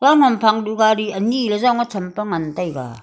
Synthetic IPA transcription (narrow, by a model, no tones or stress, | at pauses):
lawŋampʰaŋduɡaɾiɐnilezawŋat͡sʰɐmpaŋantajɡa̰